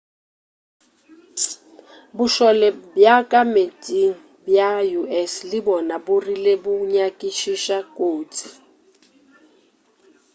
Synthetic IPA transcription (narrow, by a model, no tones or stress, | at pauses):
buʃɔlɛbjakʼametʼiŋ̩ | bjajuɛslibɔnaburilebuɲakʼiʃiʃakʼoːtʰi̥